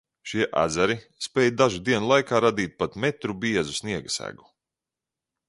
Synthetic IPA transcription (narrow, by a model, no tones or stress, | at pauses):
ʃiɛʔa̰d̪zaɾi | spɛːjd̪aʒud̪iɛnulˠajkaːɾad̪iːt̪̚pat̪mɛt̪ɾubiɛzusniɛɡasæ̰ɡu̥